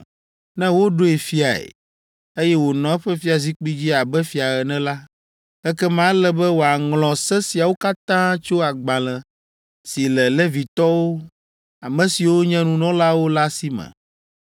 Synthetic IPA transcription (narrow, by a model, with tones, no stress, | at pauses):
nɛ̃˦wo˦ɖo˦e˨fi˦a˨ḛ˨ | e˦jɛ˦wo˨nɔ̃˨ɛ˦ɸɛ˦fi˦a˨zi˦k͡pi˦d͡ʑi˦a˨bɛ˦fi˨a˨ɛ˨nɛ̃˦la˦ | ɛ˦kɛ˦mã˦lɛ˦bɛ˦wo˨a˨ŋlɔ̃˨sɛ˦si˨a˨wo˦ka˦t̪ã˦t͡ʃo˦a˨ɡ͡bã˨lɛ̃˨ | si˨lɛ˨lɛ˦vi˨t̪ɔ˦wo˦ | a˨mɛ̃˨si˨wo˦ɲɛ̃˦nũ˦nɔ̃˦la˦wo˦la˦si˦mɛ̰̃˨